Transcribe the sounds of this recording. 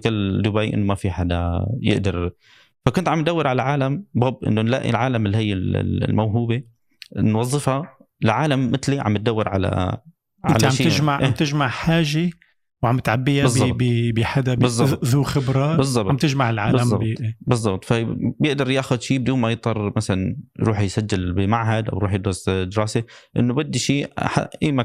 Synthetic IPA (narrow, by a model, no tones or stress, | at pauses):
kɪlːd̪ʊbaːjʔɪ̰nːomafiħad̪a̰jɪ̰ʔd̪ɑɾ | fakʊnt̪ʕambɪt̪̚d̪awːɪɾʕalalʕaːlamboːbʔɪ̰nːonla̰ʔḭlʕaːlamɪlːihɪjːɪl̰lmawɦuːbe | nwɑzˤːɨfha | ʕaːlamːɪt̪liʕa̰mbɪt̪̚d̪awːɪɾʕa̰la̰ | ʕa̰lʕamʃiːɪʒmaʕʔeamːt̪ɪʒmaʕħaːʒe | wʕamːɪt̪ʕabːɪjabɪzˤːɑbbibɪħad̪abɨzˤːɑtðuːxɪbɾˤɑːbɨzˤːɑbamt̪ɪʒmaʕɪlʕaːblazmˤːɑbˤeːbɨzˤːɑbt̪ˤfabjɪʔd̪ɑɾˤjaːxʊd̪ʃiːb̚ɪd̪uːnmajɪt̪ˤːɑrˤmasalanjɾuːħjsad͡ʒːɪlbɪmaʕɦad̪ʔa̰wɾuːħjɪd̪ɾɑsd̪ɪɾɑːseʔɪ̰nːʊbɪd̪ːiʃiːħa̰ʔiːma